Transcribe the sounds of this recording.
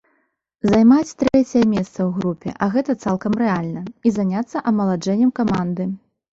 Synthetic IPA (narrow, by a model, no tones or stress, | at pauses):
zajmat͡sʲt̪ɾɛt͡sʲɛjɛmʲɛst̪sɐwɣɾupʲɛ̰ʔɐɣɛt̪ɐt̪salˠkɐmɾɛalʲnɐizanʲat̪sːɐʔɐmɐlˠad͡ʐɛnʲːɛmkamand̪ɨ